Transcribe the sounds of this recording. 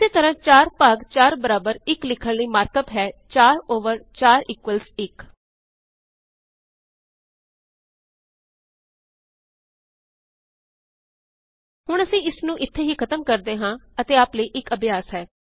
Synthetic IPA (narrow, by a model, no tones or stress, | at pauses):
ɪseːt̪əɾãːt͡ʃaːɾpaːɡt͡ʃaːɾbəɾaːbəɾɪklɪkʰəɳləiːmaːɾkəp̪ɦɛːt͡ʃaːɾoːʋəɾt͡ʃaːɾiːkʋəlsɪk | hʊɳ̃əsĩːɪsnũːʔɪt̪ʰːeːɦiːkʰət̪əmkəɾd̪eːɦãːət̪eːaːpləiːʔɪkəbʱjaːsɦɛː